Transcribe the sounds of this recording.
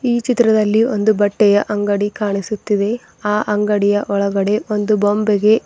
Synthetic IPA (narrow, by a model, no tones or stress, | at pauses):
iːt͡ʃit̪ːɾɐd̪ɐlːio̞nd̪ubɐʈːɛjɐʔɐŋɡɐɽikaːɳisut̪ːid̪e̞ | aːʔɐŋɡɐɽijɐʔɔɭɐɡɐɽe̞o̞nd̪ubombɛɡe̞